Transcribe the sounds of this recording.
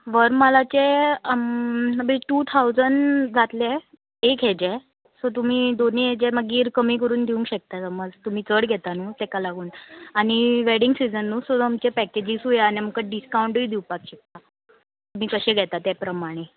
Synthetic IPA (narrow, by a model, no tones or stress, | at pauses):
ʋəɾməlat͡ɕe | əbiʈuːt̪ʰaud͡zəɳd͡zat̪le | eked͡ʑɛ | sot̪̬um̤iːd̪oniɦed͡ʑeməɡiːɾkəmiːkəɾuːnd̪ʱiũŋkɕek̚t̪asəməd͡zt̪um̤iːt͡səɽɡʱɛt̪anuːt̪ɛkalaɡuːnaɽ̃iʋeɽiŋɡsid͡zənːusoamt͡ɕepɛked͡ʑisɦujeaniməkəɖiskauɳʈuid̪iwpakɕek̚t̪a | t̪um̤iːkəɕẽɡʱɛt̪at̪epɾəmaɽ̃e